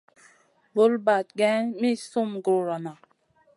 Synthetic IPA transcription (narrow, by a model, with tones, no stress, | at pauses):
bo˦lba˨t̚ɡɛ˦mi˦su˦˨mɡɾu˨ɾa˨na˨